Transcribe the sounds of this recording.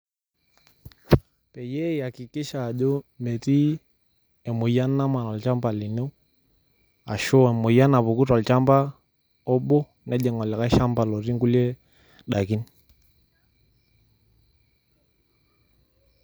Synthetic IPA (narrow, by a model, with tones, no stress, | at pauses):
pɛ˨jɛ˦ja˨ki˨ki˦ʃa˨ʄɔ˦mɛ˨ti˦ | ɛ˨mo˨ja˦na˦ma˨n˨a˨lt͡ʃa˦mba˨li˨nɛ˦u˦ | a˨ʃɔ˦ɛ˨mo˨ja˦na˨βu˨ku˦twa˨lt͡ʃa˦mba˦ | ɔ˦ɓɔ˦ | nɛ˨˦ʄɛ˨ŋɔ˨la˨ka˦ʃa˦mba˨lɔ˨ɾi˦ŋɡu˦lɛ˦ | ɗa˨ki˦ni